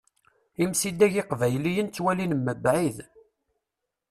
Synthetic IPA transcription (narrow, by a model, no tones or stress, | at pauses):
imsid̪æʝɪqvæjlijənt͡sːwælinmːəbʕið